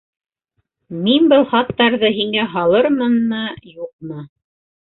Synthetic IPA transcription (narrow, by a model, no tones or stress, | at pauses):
minbɤlˠχɑt̪ːɑɾðɤɦiŋæɦɑlˠɤɾmɤnːɤjuq̚mɤ